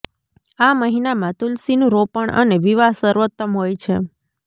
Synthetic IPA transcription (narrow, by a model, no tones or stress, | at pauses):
aməɦinamãt̪ulsinũɾopəɳʔə̰neʋiʋaɦsəɾʋət̪ːəmɦojt͡ʃʰḛ